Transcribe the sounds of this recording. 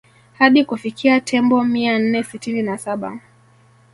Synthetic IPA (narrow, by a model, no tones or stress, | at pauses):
haɗikufikʰiatʰɛmbɔmian̩nɛsitininasaɓa̰